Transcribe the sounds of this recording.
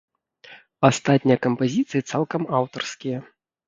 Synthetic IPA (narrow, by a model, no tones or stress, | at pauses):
ast̪at̪ʲnʲijɐkɐmpazʲit̪sɨjit̪salˠkɐmawt̪ɐrskʲijɐ